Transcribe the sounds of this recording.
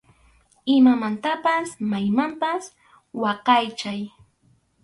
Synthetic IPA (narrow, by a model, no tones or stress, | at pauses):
ɪmamant̪apasmajmampas | wɑqɑjt͡ʃaj